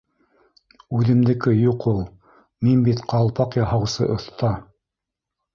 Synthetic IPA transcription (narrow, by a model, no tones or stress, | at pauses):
ʉðɘ̆md̪ɘ̆kɘjuqulˠ | minbit̪qʰɑlˠpɑqjɑhɑwsɤ̰ʔŏθt̪ɑ